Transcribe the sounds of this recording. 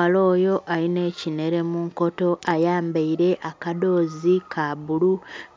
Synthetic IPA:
alo̞ːjo̞ʔaline̞ːcine̞ɾe̞muŋko̞to̞ʔajaːmbaiɾe̞ʔakado̞ːzikʰaβulu

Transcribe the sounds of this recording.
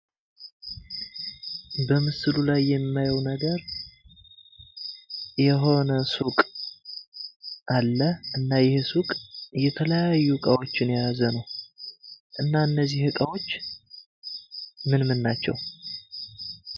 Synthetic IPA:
bəmɨsɨlulajːɛmːajəwnəɡəɾ | jɛɦo̞nəsukʼ | ʔalːəʔɨnːajɛhesukʼjɛt̪ʰələjajːukʼawo̞t͡ʃːɪnjaazənəw | ʔɨnːaɨnːəzːihɨkʼawo̞t͡ʃː | mɨnmɨnːat͡ʃːɛ̰w

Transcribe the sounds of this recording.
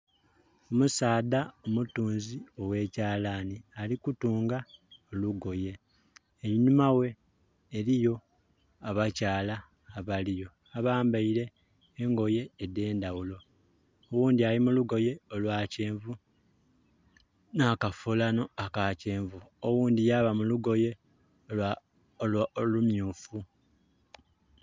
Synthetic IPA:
omusaːdaomutuːnzio̞we̞ːcaːlaːnialikutuːŋɡaoluɡo̞je̞ | eiɲumawe̞ː | ɾijo̞ | aβacaːlaː | βalijo̞ | aβaːmbaiɾe̞ː | ŋɡo̞je̞ːde̞ːndawulo̞ | owuːndialimuluɡo̞je̞olwaːceːɱvu | naːkafulano̞akaːceːɱvuowuːndijaβamuluɡo̞je̞ | lolumjuːfu

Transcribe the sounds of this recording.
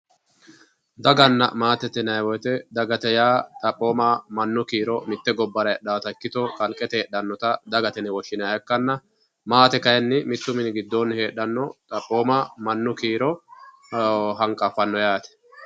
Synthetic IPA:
d̪ɐɡɐnːɐ̰maːt̪ɛt̪ːɛnɐjwɔjt̪ɛd̪ɐɡɐt̪ɛjaːt̪ʼɐpʼːoːmamɐnːʊkiːɾɔmɪt̪ːɛɡɔbːɐɾɐjɗaːt̪ɐkːɪt̪ɔkʼɐlkʼːɛt̪ɛːɗːɐnːɔt̪ɐd̪ɐɡɐt̪ɛnɛwɔʃɪnɐjɛkːɐnːɐ | maːt̪ɛkɐjɛnːɪmɪt̪ːʊmɪnɡɪd̪ːoːnhe̞ːɗːɐnːɔt̪ʼɐpʼːo̞ːmɐmɐnːʊkiːɾɔ | ɦɐŋkʼːɐfɐnːɔjaːt̪ɛ̥

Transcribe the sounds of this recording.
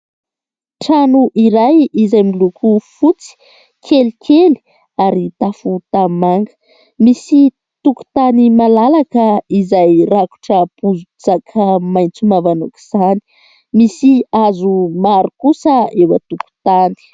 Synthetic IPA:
ʈ͡ʂanuʔiɾajizajmilukʰufut͡si̥ | kʰelikʰeli̥ | aɾit̪afut̪amaŋɡə̥ | misi | t̪uku̥t̪animalalakəizajraku̥ʈ͡ʂəpuzut͡sakʰəmajnt͡sumavanuki̥z̥ani̥ | misiazumaɾukusəewə̰t̪uku̥t̪ani̥

